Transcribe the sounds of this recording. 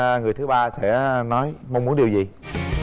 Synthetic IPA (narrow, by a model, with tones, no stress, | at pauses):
ŋɨ˨˩jt̪ɨ˨˦ɓaː˧sɛ̰˧˥nɔ˨˦jmə˧ŋ͡mu˨˦ənɗi˨˩əwzi˨˩